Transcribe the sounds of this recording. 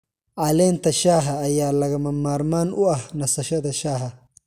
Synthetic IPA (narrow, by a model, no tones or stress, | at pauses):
ʔaːleːnt̪ɐʃaːɦɐːjːaːlɐɣɐmɐmːaːɾmaːnʊɐhnɐsɐʃɐd̪ɐʃaːɦɐ